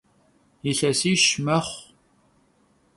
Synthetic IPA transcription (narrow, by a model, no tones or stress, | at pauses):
jiɬɐsiːʃmɐχʷ